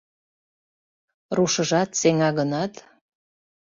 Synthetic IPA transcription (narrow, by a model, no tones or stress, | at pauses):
ruʃə̆ʒɑt̪seŋɑɣənɑt̪